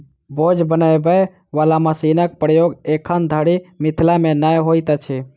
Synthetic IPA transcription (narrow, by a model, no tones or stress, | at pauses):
bod͡ʒbənəjbə | ʋalaməsinək̚pɾəjoɡekʰənd̪ʱəɽimit̪ʰlamenəjɦojt̪ət͡ʃʰi